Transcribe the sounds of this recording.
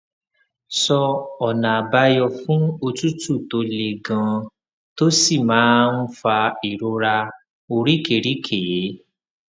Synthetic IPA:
sɔ˧ɔ˨nã˨ba˧jɔ˧fũ˦o˧tu˦tu˦˨to˧le˨ɡã˨˧ | to˦si˦˨mãː˨˦n̩˦fa˧i˨ɾo˧ɾa˧ | o˧ɾi˦ke˨ɾi˦kʰe˨e˨˦

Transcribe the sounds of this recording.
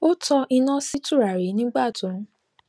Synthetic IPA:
o˦tʰɔ˧ʔi˧nã˦si˦tu˦˨ɾa˨ɾi˨˦nĩ˦ɡ͡ba˦˨tũ˨˦ɾ̃

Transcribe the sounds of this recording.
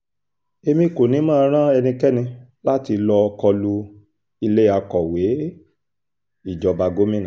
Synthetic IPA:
e˧mĩ˧˦˨ko˨nĩ˨˦mãː˦˧˦ɾ̃ã˦ɛ˧nĩ˧kɛ˦nĩ˧ | la˦ti˧lɔ˧kɔ˧lu˧ | i˧le˦a˧kɔ˨we˨˦ | i˦˨d͡ʒɔ˧ba˧ɡo˦mĩ˦nã˨

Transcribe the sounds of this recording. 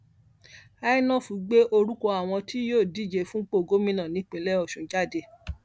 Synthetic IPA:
a˦i˦nɔ̃˦˨fu˨˦ɡ͡be˦ʔo˧ɾu˦ko˧a˨w̃ɔ̃˧tʰi˦joː˦˨di˨˦˨d͡ʒe˧˨fũ˦k͡po˦˨ɡo˦mĩ˦nã˦˨nĩ˨˧˦k͡pẽ˧˦lɛ˦ɔ˦˨ʃũ˨˦d͡ʒa˦˨de˧˦

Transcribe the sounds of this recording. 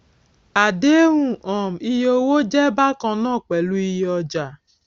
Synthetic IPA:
a˨de˦ɾũ˦ʔɔ˨m̩˨i˦jo˦wo˦d͡ʒɛ˦ba˦kɔ˨nɔ˦˨k͡pe˨lu˦i˦jɔ˦d͡ʒa˨

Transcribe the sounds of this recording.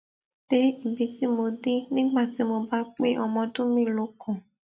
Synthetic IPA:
te˦i˦˨bi˧ti˦mo˧de˦nĩ˦ɡ͡ba˦˨ti˨˦mo˧ba˦k͡pe˦ʔɔ˧mɔ̃˧dʊ̃˦mĩ˦˨lo˨˦kʰʊ̃˨

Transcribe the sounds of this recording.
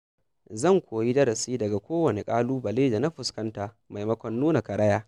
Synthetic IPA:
zɐ˦˨ŋkʷoː˨ji˦dɐ˦ɾɐ˨siː˦dɐ˨ɡa˨kʷoː˦wɐ˨ne˨kʼaː˦luː˦bɐ˨leː˦da˨na˦ɸʊ˨skɐ˦nta˨ | ma˨jmɐ˦kʷɐ˦nːuː˦na˨kɐ˨ɾɐ˦jaː˦

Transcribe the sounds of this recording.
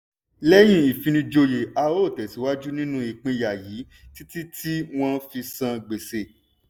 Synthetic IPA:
lɛ˦j̃ĩ˧i˨fĩ˨˧nĩ˧d͡ʒo˧je˨a˧o˦˨tɛ˨si˨˦wa˦d͡ʒu˦nĩ˦nũ˦i˨k͡pĩ˧ja˨ji˨˦ | ti˦ti˦tʰi˦w̃ɔ̃˦fi˧sã˧ɡ͡be˨se˨

